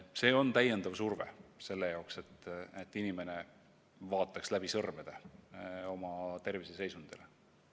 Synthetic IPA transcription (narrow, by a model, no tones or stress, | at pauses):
se̞ːo̞nt̪æjend̪̥ɑvsurvḛse̞lːe̞jɑokse̞t̪ːˑet̪ːˑinime̞ne̞ | vɑːt̪ːˑɑkslæb̥isɤrmed̪̥e | o̞mɑt̪e̞rvisese̞jsund̪ele